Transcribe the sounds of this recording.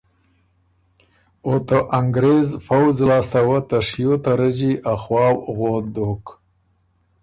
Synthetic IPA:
ot̪oʔaŋɡɾezfawzlɑːst̪awat̪aʂjot̪aɾəd͡ʒiʔaxwɑːwɣod̪ok

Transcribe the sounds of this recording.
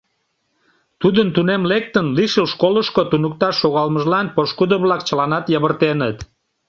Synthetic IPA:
t̪ud̪ənt̪unemlek̚t̪ənliʃəlʃkoləʃkot̪unuk̚t̪ɑʃːoɣɑlməʒlɑnpoʃkud̪əβlɑkt͡ɕəlɑnɑt̪jəβərt̪enət̪

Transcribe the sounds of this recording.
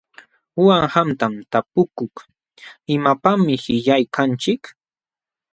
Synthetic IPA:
waŋhamt̪amt̪apʊkʊk | ɪmapamɪhɪʎajkʰant͡ʃɪk

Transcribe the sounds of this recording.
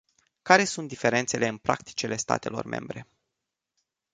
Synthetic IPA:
kaɾe̞sunt̪d̪ife̞ɾe̞nt̪se̞le̞ɨnpɾʔa̰k̚t̪i̥t͡ʃele̞st̪a̰t̪e̞lo̞̰rmʔe̞̰mbɾe̞

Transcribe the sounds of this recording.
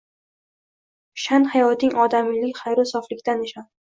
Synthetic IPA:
ʃanhajɒt̪ʰɪŋʔɒd̪amɪlɪkʲχajɾɪsɒflɪkʲt̪anɪʃan

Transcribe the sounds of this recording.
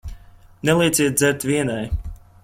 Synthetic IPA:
nɛlˠiɛt̪sʲiɛt̪̚d̪zɛɾt̪vʲiɛnaj

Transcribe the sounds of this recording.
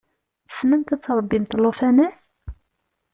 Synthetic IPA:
θə̥smənt̪æt͡sːɾˤəbːimt̪lofænə

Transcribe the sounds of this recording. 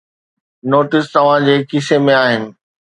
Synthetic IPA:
noːʈɪst̪ɐʋ̤ãd͡ʑeːkɪsemẽaːɦɪnɪ̆

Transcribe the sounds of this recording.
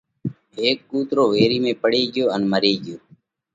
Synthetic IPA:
ɦeːkːuːt̪ɾoːʋeːɾiːmẽːpəɽeːɡɪjoːənməɾeːɡɪjoː

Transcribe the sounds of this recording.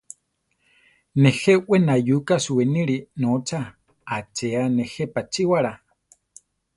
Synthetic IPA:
nẽxeʔenajukasuenĩɾinõt͡sa | at͡ʃeanẽxepat͡ʃiwaɾa

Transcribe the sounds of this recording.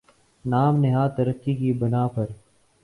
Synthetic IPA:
naːmnɪɦaːt̪əɾəkːiːkiːbɪnaːpəɾ

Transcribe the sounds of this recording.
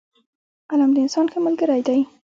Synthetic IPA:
alamd̪əɪnsɑnkʰemʊlɡəɾajd̪aj

